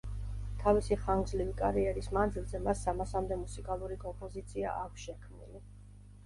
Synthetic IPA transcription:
t̪ʰavisiχaŋɡzlivikʼaɾiɛɾismand̪zilˠzɛmasːamasamd̪ɛmusikʼalˠuɾikʼɔmpʼɔzit̪sʰia̰ʔakʷʰsʃɛkʰmnḭli

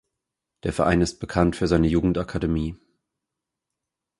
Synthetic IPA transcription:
d̥eːɐfɛɐʔa̰ɪnɪst̚b̥əkʰantfyːɐzaɪnəjuːɡŋ̩takʰademiː

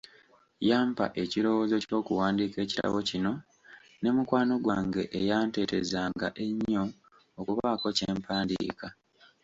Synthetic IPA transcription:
jaːmpa̰ʔe̞ciɾo̞wozo̞co̞ːkuwaːndiːke̞ːci̥ta̰βo̞cino̞ | ne̞mukwaːno̞ɡwaːŋɡe̞ʔːjaːnte̞te̞zaːŋɡaʔe̞ɲːo̞ː | kuβako̞ce̞ːmpaːndḭːka

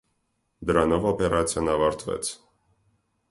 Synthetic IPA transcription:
d̪əɾanɔvɔpɛɾʔat̪sʰijanɑvɑɾt̪ʰvɛ̰t̪sʰ

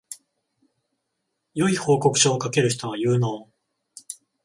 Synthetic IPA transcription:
jo̞iho̞ːko̞kɯ̟̥ɕoːkake̞ɾɯ̟çi̥t̪o̞βajɯːno̞ː

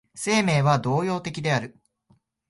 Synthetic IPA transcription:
se̞ːme̞ːβad̪o̞ːjo̞ːt̪e̞kʲid̪e̞aɾɯ̟

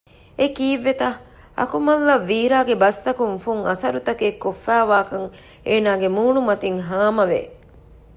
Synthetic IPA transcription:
ekiːʋːet̪ɐ | ɐ̰kumɐlːɐʋːiːɾaːɡebɐst̪ɐkuŋfuŋɐsɐɾut̪ɐkekːofːæːʋaːkɐŋ | eːnaːɡemuːɳumɐt̪iŋɦaːmɐʋḛ

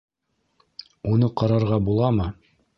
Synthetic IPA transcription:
unɤqɑɾɑɾʁɑbulˠɑmɤ

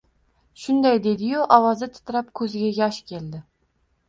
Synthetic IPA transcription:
ʃʊnd̪ajd̪e̞d̪ɪjʊʔɒwɒzɪt̪ʰɪ̥t̪ʰɾap̚kʰɵzɪɡʲajʲɒʃkʲʰe̞ld̪ɪ

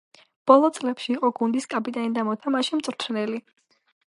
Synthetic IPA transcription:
b̥ɔlˠɔt̪sʼlɛpʃiːqʼɔɡund̪iskʼapʼit̪ʼanid̪amɔt̪ʰamaʃimt̪sʼɾt̪ʰnɛli

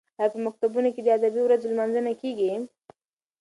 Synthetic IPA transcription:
apəmak̚t̪abunoked̪əad̪abiwɾazolmanzənakeɡi

